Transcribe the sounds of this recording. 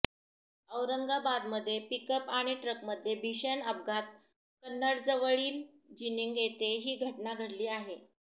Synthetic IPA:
əwɾəŋɡabad̪məd̪ʱːjepikəpaɽ̃iʈɾəkməd̪ʱːjebʱiɕenəp̚ɡat̪̚ | kənːəɽd͡zəʋəɭiːl | d͡ʑiniŋɡjet̪eɦiːɡʱəʈnaɡʱəɽliːaɦe

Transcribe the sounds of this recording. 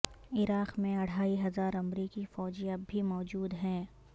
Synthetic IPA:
ɪɾaːqmẽɐɽ̤aːiɦɐzaːɾɐmɾiːkifɔːd͡ʒijabʱimɔːd͡ʒuːd̪ɦɛ̃ː

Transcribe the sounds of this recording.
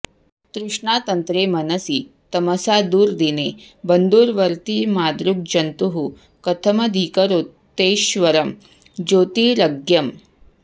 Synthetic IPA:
t̪ɾuʂɳat̪ənt̪ɾemɐnəsiːt̪ɐməsad̪uːɾd̪ine | bənd̪uːɾʋəɾt̪iːmaːd̪ɾuk̚d͡ʑɐnt̪uɦu | kɐt̪ʰəmɐd̪ʱiːkəɾot̪ːeɕʋɐɾəm | d͡ʑoːt̪iːɾəɡjɐm

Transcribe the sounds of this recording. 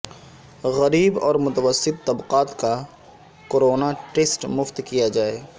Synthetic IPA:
ɣɐɾiːbɔːɾmʊt̪əwəsːɪt̪ːɐbqaːt̪ka | koːɾoːnaʈeːsʈmʊft̪kijad͡ʒaːeː

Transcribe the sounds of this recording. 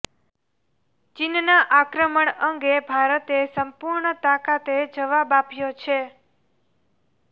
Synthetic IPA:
t͡ʃinnaʔakɾəməɳəŋɡebʱaɾət̪esəmpuɾɳət̪akat̪ed͡ʒəʋabapjot͡ʃʰe

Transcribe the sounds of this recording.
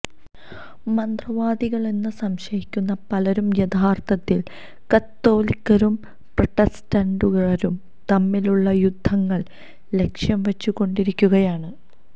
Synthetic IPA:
mɐnd̪rɐʋaːd̪iɣɐɭe̞nːɨsɐmɕɐjikʲːunːɐpɐlɐɾumjɐd̪ʱaːrt̪ʰɐt̪ːil | kɐt̪ːo̞ːlikʲːɐɾum | prɐʈːestɐɳɖuɣɐɾum | t̪ɐmːiluɭːɐjud̪ʱːɐŋːɐɭ | le̞kʂjɐmʋet͡ɕːukːo̞ɳɖiɾikʲːuɣɐjaːɳɨ

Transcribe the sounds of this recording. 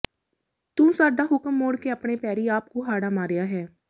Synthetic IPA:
t̪ũːsaːɖaːɦʊkəmːoːɽkeəpɳeːpɛːɾiːaːp̚koɦaːɽaːmaːɾɪjaːɦɛː

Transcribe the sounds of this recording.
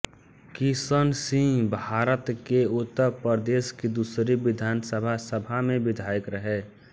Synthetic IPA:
kisənsĩŋbʱaːɾət̪keʊt̪ːəɾpəɾd̪eːskid̪uːsɾibɪd̪ʱaːnsəbʱasəbʱamẽbɪd̪ʱaːjəkɾəɦɛ

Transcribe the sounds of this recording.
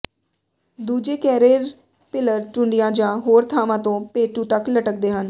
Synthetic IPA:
d̪uːd͡ʒeːkɛːɾeːɾ | pɪləɾt͡ʃʊɳɖijãːd͡ʒãːɦoːɾt̪ʰaːʋãːt̪õːpeːʈũːt̪əkləʈək̚d̪eːɦən

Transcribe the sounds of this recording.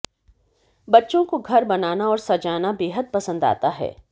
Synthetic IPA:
bɐtːʃõkoɡʱɐɾbɐnaːnaɔːɾsɐd͡ʒaːnabeːɦəd̪̚pɐsə̃nd̪a̰ːt̪aɦɛ̰ː

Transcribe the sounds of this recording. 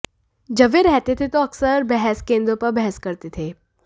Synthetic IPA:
d͡ʒɐbeɾɛɦt̪et̪ʰet̪oɐksəɾbɛɦɛskẽːnd̪ɾõpɐɾbɛɦɛskɐɾt̪et̪ʰeː

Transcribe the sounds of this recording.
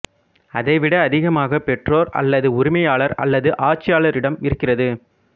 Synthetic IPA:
ɐðɐɪʋɪɽɐːðɪɣɐmaːɣɐpɛʈroːɾɐ̰lːɐðɯʊɾɪmɐjaːɭɐɾɐ̰lːɐðɯʔaːt͡ʃːɪjaːɭɐɾɪɽɐmɪɾɯkːɪrɐðɯ

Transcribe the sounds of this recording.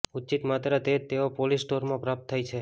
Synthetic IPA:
ut͡ʃit̪mat̪ɾət̪et̪eopolisʈoɾmãpɾap̚t̪ʰːajt͡ʃʰe

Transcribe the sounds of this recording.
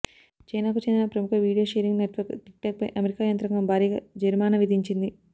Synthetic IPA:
t͡ʃɐjnaːkut͡ʃend̪inɐpɾɐmukʰɐʋiːɽijoːʃeːɾiŋɡneʈʋɐɾkʈik̚ʈaːk̚pɐjʔɐmeɾikaːjɐnt̪ɾɐŋɡɐmbʱaːɾiːɡa̰ːd͡ʒɐɾmaːnɐʋid̪ʱiɲt͡ʃind̪i

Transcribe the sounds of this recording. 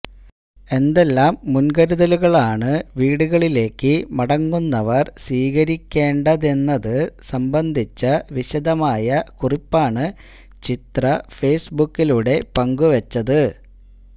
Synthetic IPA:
e̞nd̪e̞lːaːmːunɡɐɾuðɐluɣɐɭaːɳɨʋiːɽuɣɐɭile̞ːkːɨmɐɽɐŋːunːɐʋɐrsʋiːɣɐɾikʲːe̞ːɳɖɐðe̞nːɐðɨsɐmbɐnd̪ʱit͡ɕːɐʋiɕɐd̪ɐmaːjɐkuripːaːɳɨ | t͡ɕit̪rɐfe̞ːsbukːiluɽe̞pɐŋɡuʋɐt͡ɕːɐðɨ

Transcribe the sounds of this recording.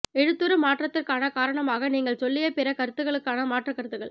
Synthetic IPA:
ɛɻɯt̪ːɯɾɯmaːʈrɐt̪ːɪrkaːnɐkaːɾɐɳɐmaːɣɐniːŋɡɐɭsɔlːɪjɐpɪɾɐkɐɾɯt̪ːɯɣɐɭɯkːaːnɐmaːʈrɐkːɐɾɯt̪ːɯɣɐɭ

